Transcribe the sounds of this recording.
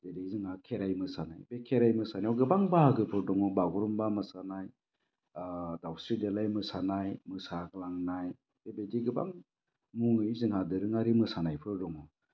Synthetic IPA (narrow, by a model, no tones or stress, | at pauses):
zedejzɯŋakʰeɾajmɯsanajbekʰeɾajmɯsanaɔɡɯbaŋbaɡɯpʰɯɾdɔŋɔbaɡɔɾɔmbamɯsanaj | dawstɾidelajmɯsanajmɯsaɡlaŋnaj | b̥ebediɡɯba̰ŋ | muŋɯjzɯŋadɯɾɯŋaɾimɯsanajpʰɯɾdɔŋɔ